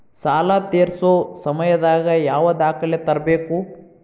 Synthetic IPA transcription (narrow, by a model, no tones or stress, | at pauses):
saːlat̪eːɾsoːsɐmɐjɐd̪aːɡɐjaːʋɐd̪aːkɐlet̪ɐɾɐbeːku